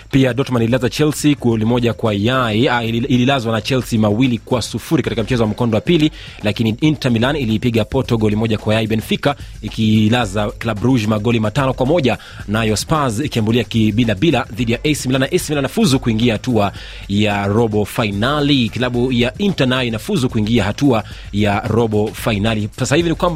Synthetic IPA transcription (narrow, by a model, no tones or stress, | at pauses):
piaɗɔtmanilazat͡ʃɛlsiɡɔlimɔʄakwajaiaililazwanat͡ʃɛlsimawilikwasufuɾikatikam̩t͡ʃɛzɔwam̩kɔndɔwapili | lakiniintamilaniliːpiɠapɔtɔɠɔlimɔʄakwajaiɓɛnfika | ikilazaklaɓɾuʒmaɠɔlimatanɔkwamɔʄa | najɔspazikiambuliakiɓilaɓilaðiɗijaʔɛsmilanaʔɛsmilanafuzukuiŋɡiahatua | jaɾɔɓɔfainalikilaɓujaintanajɔinafuzukuiŋɡiahatua | jaɾɔɓɔfainalisasahivinikwamba